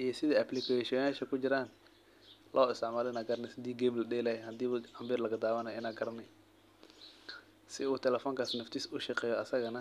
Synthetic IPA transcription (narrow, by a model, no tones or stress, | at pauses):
ʔijɔsɪðiɐplɪkʰɛʃɔnaːʃɐkʊd͡ʒɪɾaːn | lʔɔːɪst̪ɪʕmaːlɪnaːɡɐɾnɛsɪd̪iːɡɛːmlɐɗɛːlɛhɛhɐd̪iːɐmbiːɾlɐɣɐd̪aːwɐnaɪnaːɡɐɾnɛ | sɪuːt̪ʰɛlɛfɔːŋkaːsnɔft̪ɪsʊʃɐqɛːjɔɐsɐɣɐnɐ